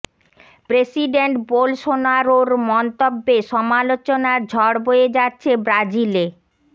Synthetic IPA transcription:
pɾesiɖeɳʈbolʃonaɾoɾmɔnt̪obːeʃɔmalot͡ɕonaɾd͡ʑʱɔɽbojed͡ʑatːɕʰebɾad͡ʑile

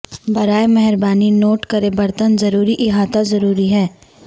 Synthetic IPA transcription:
bɐɾaːemɛɦəɾbaːninoːʈkɐɾebɐɾt̪ənzɐɾuːɾiʔɪɦaːt̪azɐɾuːɾiɦɛː

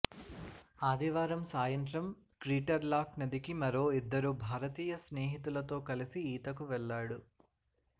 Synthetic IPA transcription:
aːd̪iʋaːɾɐmsaːjɐnt̪ɾɐm | kɾiːʈɐɾlaːknɐd̪ikimɐɾo̞ːid̪ːɐɾubʱaːɾɐt̪iːjɐsneːɦit̪ulɐt̪o̞ːkɐlisiiːt̪ɐkuʋɛɭːaːɽu

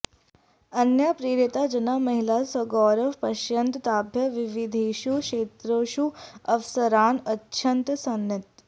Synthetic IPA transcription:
ɐnjapɾiːɾit̪ad͡ʒɐnamɐɦilasɐɡɔːɾɐpɐʃjɐnt̪t̪aːbʱjɐʋiʋid̪ʱeːʃukʃeːt̪ɾoːʃuɐʋsɐɾaːnɐtːʃʰɐnt̪sɐnːɐt̪

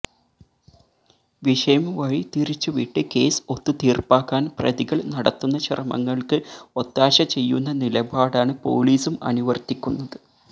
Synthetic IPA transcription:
ʋiʂɐjɐmʋɐɻit̪iɾit͡ɕːuʋiʈːɨke̞ːso̞t̪ːɨt̪iːrpaːkːaːnprɐ̰ðiɣɐɭnɐɽɐt̪ːunːɐɕɐrɐmɐ̰ŋːɐɭkɨo̞t̪ːaːɕɐt͡ɕe̞jːunːɐnilɐbaːɽaːɳɨpo̰ːliːsumɐ̰nuʋɐrt̪ikʲːunːɐðɨ

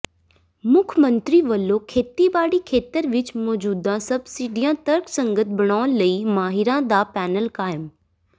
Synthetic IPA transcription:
mʊkʰmə̃nt̪ɾiʋɐlːokʰeːt̪ibaːɽikʰeːt̪əɾʋɪt͡ʃmɔːd͡ʒuːd̪ãsɐbsiːɖijãt̪ɐɾksɐ̃ŋɡət̪̚ʰbɐɽ̃aːʋnlɐiːmaːɦɪɾãd̪aːpɛːnəlkaːjɪm

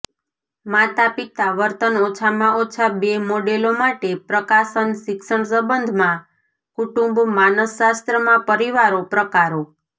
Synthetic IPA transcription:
mat̪apit̪aʋəɾt̪ənot͡ʃʰamãʔot͡ʃʰabemoɖelomaʈepɾəkaʃənʃɪkʃəɳsəbənd̪ʱmã | kuʈũmbmanəsːast̪ɾəmãpəɾiʋaɾopɾəkaɾo

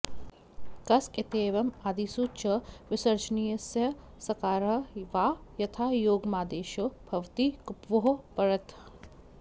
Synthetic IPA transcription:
kɐsɪt̪eːʋɐmaːd̪iːsut͡ʃɐʋɪsɐɾt͡ʃniːjɐsjɐ | sɐkaːɾɐʋaːjɐt̪ʰaːjoːɡmaːd̪eːʃobʱɐʋt̪iːkupʋoɦopɐɾɐt̪

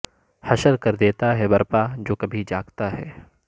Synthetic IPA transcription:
hɐʃəlkɐɾd̪eːt̪aɦɛbɐɾpad͡ʒoːkɐbʱid͡ʒaːɡt̪aɦɛ̰ː

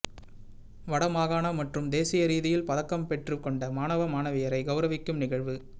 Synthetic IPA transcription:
ʋɐɽɐmaːɣaːnɐmɐʈrɯmd̪eːsɪjɐɾiːðɪjɪlpɐðɐkːɐmpɛʈrɯkɔɳɖɐmaːnɐʋɐmaːnɐʋɪjɐɾɐɪɡɐʊɾɐʋɪkːɯmnɪɣɐɭʋɯ

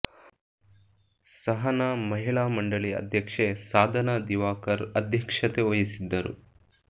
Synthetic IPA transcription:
sɐɦɐnɐmɐɦiɭaːmɐɳɖɐɭiɐ̰d̪ʱjɐkʂesaːd̪ʱɐnad̪iʋaːkɐɾɐd̪ʱjɐkʂɐt̪eʋojisid̪ːɐɾṵ

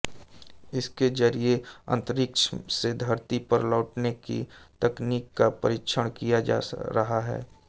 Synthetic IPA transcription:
ɪsked͡ʒəɾieɐ̰̃nt̪əɾɪkʃʰsed̪ʱɐɾt̪ipɐɾlɔːʈnekḭt̪ɛkniːkːapə̰ɾɪkʃʰəɽ̃kijad͡ʒa̰ɾɐɦaɦɛ̰ː

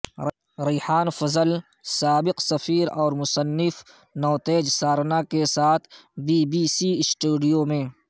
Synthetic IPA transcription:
ɾiːħaːnfɐzəl | saːbɪqsɐfiːɾɔːɾmʊsənːɪf | nɔːt̪eːd͡ʒsaːɾnakesaːt̪ʰbiːbiːsisʈuːɖijomẽ

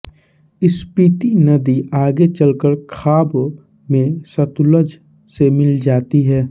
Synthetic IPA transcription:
ɪspɾiːt̪inɐd̪iʔaːɡet͡ʃəlkəɾkʰaːb | mẽsɐt̪ʊləd͡ʒ | semɪld͡ʒaːt̪iɦɛː

